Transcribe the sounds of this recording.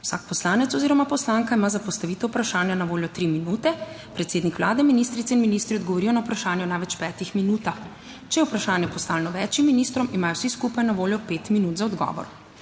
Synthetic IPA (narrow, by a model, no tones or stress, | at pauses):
wsaːk̚pɔslaːnɛt̪sɔziːɾɔmapɔslaŋkaimaːzapɔst̪aʋiːt̪ɔwpɾaʃaːnjanaʋoːljɔt̪ɾiminut̪ɛ | pɾɛt̪seːd̪nikʋlaːd̪ɛminist̪ɾit̪sɛinminist̪ɾiɔd̪̚ɡɔʋɔɾijɔnawpɾaʃaːnjɔnajʋɛt͡ʃpɛːt̪ixminuːt̪ax | t͡ʃɛjɛwpɾaʃaːnjɛpɔst̪aːlɛnɔʋɛːt͡ʃimːinist̪ɾɔmimaːjɔwsiskupajnaʋoːljɔpeːt̪minut̪zaɔd̪ɡɔ̰ːʋɔ̰ɾ